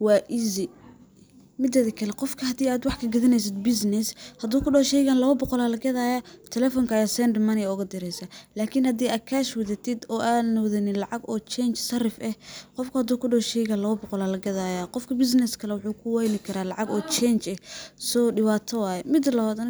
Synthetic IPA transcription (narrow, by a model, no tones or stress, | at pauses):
wɑːʔɪzɪ | mɪd̪ɐðɪkʰɐlɛqɔfkʰɐhɐd̪iːaːd̪wɑħkʰɐɡɐðɐnɛjs̬ɪd̪̚bɪsnɛshɐd̪uːkʊɖɔːʃɛjɣaːnlɐβɐbɔqɔlaːlɐɡɐðaːjat̪ʰɛlɛːfɔŋkʰɐjaːsɛnd̪ɪmɐnɛʊɣɐd̪ɪɾɛjsalaːkʰɪnhɐd̪iːaːd̪̚kʰaːʃwɐðɐt̪ʰɪd̪ɔːʔaːd̪nɔwðɐnɪnlɑʕɑɡɔːt͡ʃɛːnt͡ʃsɐrɪfɛhqɔfkʰʊhɐd̪uːkʰʊɖɔːʃɛjɣaːnlɐβɐbɔqɔlaːlɐɡɐðaːjaqɔfkʰɐbɪs̬nɛskʰɐlɛwʊħuːkʰʊwajnɪkʰɐɾaːlɑʕɑɡɔːt͡ʃɛnt͡ʃɛsɔːɖɪwaːt̪ʰɐwaːjɛmɪd̪lɐwaːd̪ɐn